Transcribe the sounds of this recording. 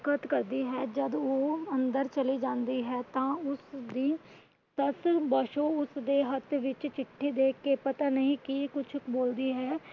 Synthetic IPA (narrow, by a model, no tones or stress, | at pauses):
kət̪kəɾd̪iːɦɛːd͡ʒəd̪oːə̃nd̪əɾt͡ʃəliːd͡ʒãːnd̪iːɦɛːt̪ãːʊsd̪iː | səsbəʃõːʊsd̪eːɦət̪ʰʋɪt͡ʃt͡ʃɪʈʰːiːd̪eːkʰːeːpət̪anəɦĩːkikʊt͡ʃʰboːld̪iːɦɛː